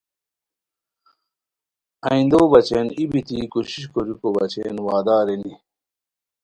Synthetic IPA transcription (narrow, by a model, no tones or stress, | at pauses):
ɐĩnd̪oːbɐt͡ɕenibit̪ikuɕiɕkod͡ʑukobɐt͡ɕḛːnwaːd̪aːɾeni